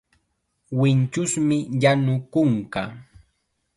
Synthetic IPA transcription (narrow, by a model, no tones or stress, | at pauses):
wɪnt͡ʃʊsmɪjanʊkʊɴkɑ̰